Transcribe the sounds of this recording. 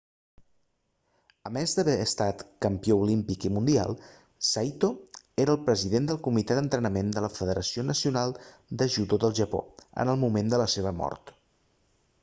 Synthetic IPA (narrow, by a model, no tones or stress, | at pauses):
əmɛzd̪əβɛəst̪at̪kəmpioulimpikimund̪ia̰lˠ | sajt̪o | eɾəːlˠpɾəziðend̪əlˠkumit̪ɛðənt̪ɾənəmend̪ələfəðəɾəsionəsiunalˠ | d̪əʒuðoðəlˠʒəpo̰ə̰nəlˠmumend̪ələseβ̞əmɔ̰rt̪